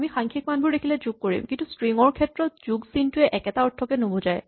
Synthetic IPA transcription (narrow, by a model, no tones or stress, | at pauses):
mixaŋkʰik̚manbʱʊɹdekʰilɛd͡ʒuɡ̚koɹḭmkintustɹiŋɔɹkʰɛtɹɔt̚z̥uɡsintʊɛʔɛkɛtaɔtʰːɔkɛnobozaj